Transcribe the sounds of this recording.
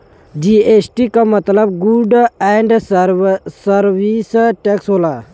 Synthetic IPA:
d͡ʒiesʈikamət̪ləbɡuɖɛɳɖ | səɾʋisʈɛksɦola

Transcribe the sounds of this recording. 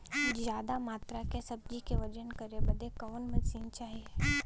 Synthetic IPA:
d͡ʒjaːd̪amaːt̪ɾakesɐb̚d͡ʒikeʋɐd͡ʒənkɐɾebɐd̪ekɔːnmɐsiːnt͡ʃaːɦieː

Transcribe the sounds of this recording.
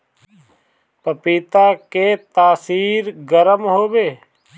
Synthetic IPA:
pəpiːt̪aket̪aːsiːɾɡəɾəmɦoːbeː

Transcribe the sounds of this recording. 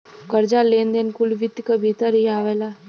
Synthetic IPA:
kəɾd͡ʒaːleːnd̪enkʊlʋɪt̪ːkabʱiːt̪əɾiaːʋeːlaː

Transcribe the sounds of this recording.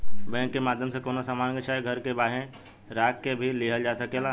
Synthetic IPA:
bɛ̃ːŋkːemaːd̪ʱjəmsẽkoːnasamaːnɡet͡ʃʰaːɡʱəɾkebaːɦẽ | ɾaːkːebʱiliɦəld͡ʒaːsɐkeːlaː

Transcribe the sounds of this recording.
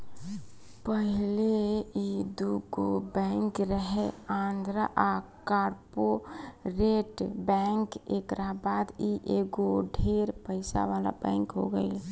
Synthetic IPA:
pəɦleid̪uɡobɛ̃ŋkɾəɦeãnd̪ʱɾəʔakaːɾpoɾeʈbɛŋkekɾaɦbaːd̪iʔeɡoɖʱeɾpəɪsa̰ʋala̰bɛ̰̃ŋkɦo̰ɡə̰i

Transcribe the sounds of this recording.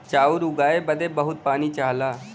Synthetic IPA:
t͡ʃaːʊɾʊɡaːebəd̪ebəɦʊt̪̚paːnit͡ʃaːɦlaː

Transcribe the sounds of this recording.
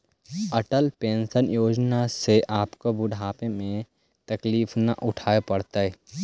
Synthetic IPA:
əʈəlpẽːnsənjoːd͡ʒnaseʔaːpkobʊɖʱaːpemẽ | t̪ɐkliːfna̰ʔʊʈʰaːepɐɽt̪aɦɛ

